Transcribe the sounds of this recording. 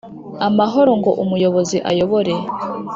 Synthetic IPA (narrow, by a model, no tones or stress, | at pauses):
amaɦo̞ɾo̞ŋɡo̞ʔumujo̞βoziʔajo̞βoɾe̞